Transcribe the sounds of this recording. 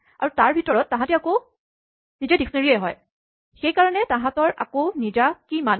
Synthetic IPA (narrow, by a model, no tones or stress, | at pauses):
a̰ɹutaɹbʱitɔɹɔtːãɦãtɛako | nizɛdikʰneɹiejɦɔj | xejkaɹɔnɛtãɦãtɔɹʔa̰konizakiman